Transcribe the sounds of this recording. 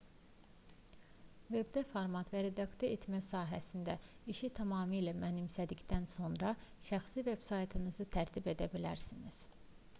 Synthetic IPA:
ve̞bd̪efoɾmɑt̪væɾe̞d̪ɑkt̪oet̪mæsɑːɦæsind̪æiʃit̪ʰɑmɑːmijlæmænimsæd̪icd̪ænso̞nɾɑʃæxsive̞b̥sɑjt̪ʰɯnɯzɯt̪ʰæɾt̪ʰibe̞d̪æbilæɾsiniz̥

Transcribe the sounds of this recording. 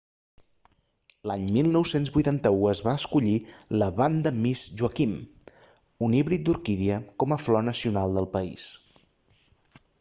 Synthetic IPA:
laɲmilˠnɔwsenzβujt̪ant̪əuəzβaəskuʎiləβand̪əmizʒuəkim | uniβɾit̪̚d̪uɾkiðiəkɔməflɔnəsiunalˠd̪əlˠpəḭs

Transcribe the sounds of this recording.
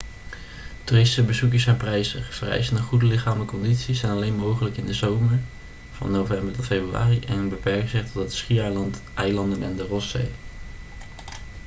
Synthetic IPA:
turɪsti̥səbəzukəɹsɛnprɛjzəv̥ərɛ̰jzənəχudəlɪχaːmələkɔnditsisɛjnɑlejnmowχələkɪndəzowməɹ | v̥ɑ̰nːowvɛmbəɹtɔtfejbrya̰ːriʔɛnnbəpɛɹkz̥ɪχtɔtətsχiɛjlɑndənɛ̰ndərɔsḛj

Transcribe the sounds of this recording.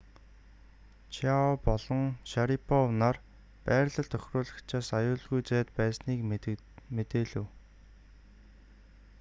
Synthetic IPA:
t͡ɕʰaɔpɔɮɞ̆ŋʃaɾipʰɔwnar | pæːɾɮə̆ɮt̪ʰœxʲrʊːɮə̆kt͡ɕʰaːsajʊːɮɣujt͡sæːt̪pæːsniːk | met̪eːɮŭw

